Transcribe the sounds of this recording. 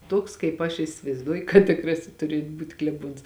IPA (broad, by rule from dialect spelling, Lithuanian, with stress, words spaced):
ˈtuɔks kɐɪp ɐʃ ɪsʲɪʋɐɪzˈduɔjʊ kɐt tʲɪˈkrɑːsʲɪs ˈtʊrʲiɛt ˈbuːtʲ klʲɛˈbuɔns